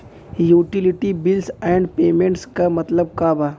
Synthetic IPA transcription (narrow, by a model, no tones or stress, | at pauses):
juːʈilɪʈibɪlsɛːɳɖpeːmẽɳʈskamɐt̪ləb̚kaːbaː